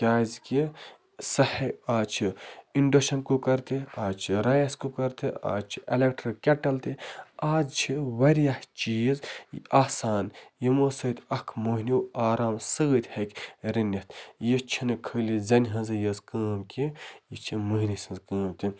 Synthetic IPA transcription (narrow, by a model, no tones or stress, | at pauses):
kʲaːzkʲi | sɐhɐaːt͡ʃʰiiɳɖɐʃɐnkokɐɾt̪ʰiaːt͡ʃʰiɾajɐskokɐɾt̪ʰia̰ːt͡ʃʰi̥ʔelek̚ʈɾɐkʲɐʈɐlt̪ʰiaːd͡ʒt͡ʃʰiʋɐɾjaht͡ʃiːzjaːsaːnjimoːsɐːt̪ʲɐkʰmoɦinʲiwaːɾaːmsɨɣət̪ʲhɐkʲɾinʲɐt̪ʰjit͡ʃʰinɨkʰəːlʲizɐnʲɦɐnzɨjɐzkəːmkijit͡ʃʰimɨɦnʲisɐnzkəːmt̪i